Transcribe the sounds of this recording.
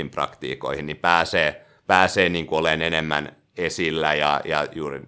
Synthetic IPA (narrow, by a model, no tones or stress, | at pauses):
imprɑ̰kt̪ḭːko̰ihinnipæːseː | pæːseːniːŋkuolenenemːæ̰n | esilːæjɑ̰jɑ̰juːri